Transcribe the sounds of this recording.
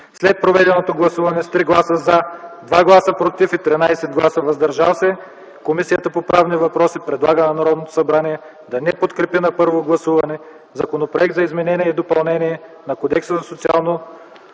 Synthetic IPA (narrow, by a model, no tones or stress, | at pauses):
slɛt̪̚pɾovɛd̪ɛnot̪oɡlˠɐsuvɐnɛst̪ɾiɡlˠasəzad̪vaɡlˠasəpɾot̪ifit̪ɾinajsɛd̪ɡlˠasəvɐzd̪ɐɾʒasɛ | komisijət̪əpopɾavnivɐpɾɔsipɾɛd̪lˠaɡənɐnɐɾɔd̪not̪o̥sɐbɾaniɛ | d̪ɐnɛpot̪kɾɛpinɐpɤɾvoɡlˠɐsuvɐnɛ | zɐkonopɾoɛk̚t̪zɐizmɛnɛniɛid̪opɐlˠnɛniɛnɐkod̪ɛksəzɐsot̪sialˠno